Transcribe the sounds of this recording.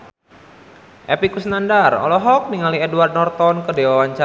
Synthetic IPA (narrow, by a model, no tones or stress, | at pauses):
ʔɛpikusnandarɔ̰lɔɦɔk̚niŋaliɛduward̪̚nɔrt̪ɔnkədewawaɲt͡ʃa